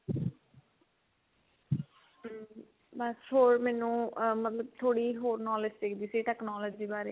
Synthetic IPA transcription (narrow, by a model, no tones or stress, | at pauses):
bəshoːɾmɛːnũːmət̪ləbt̪ʰoːɽiːɦoːɾnɔːlɪsʈɪkʰd̪iːsiːʈɛːknɔːləd͡ʒiːbaːɾeː